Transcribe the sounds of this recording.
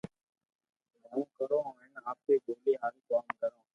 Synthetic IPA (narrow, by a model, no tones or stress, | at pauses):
ɦũːkəɾõːɪnaːp̚keːboːleːɦaːɾiːkaːmkəɾõː